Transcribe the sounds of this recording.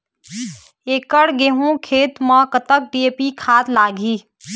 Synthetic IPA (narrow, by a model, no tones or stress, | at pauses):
eːkəɽɡeːɦũkʰeːt̪mãkət̪ək̚ɖieːpikʰaːt̪laːɡʱiː